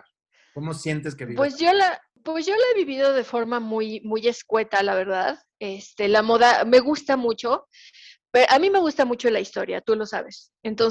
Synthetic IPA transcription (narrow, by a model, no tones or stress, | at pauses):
komosjent̪es̬keβipwe̞zʝo̞la | pwesʝo̞laeβiβiðo̞ðe̞fo̞ɾmamujmuje̞skwe̞t̪alaβ̞e̞ɾðað | est̪e̞lamo̞ðame̞ɣust̪amut͡ʃo̞ | peɾoʔamime̞ɣ̞ust̪amut͡ʃo̞laist̪o̞ɾja̰t̪ulo̞sa̰βe̞s | ent̪o̞n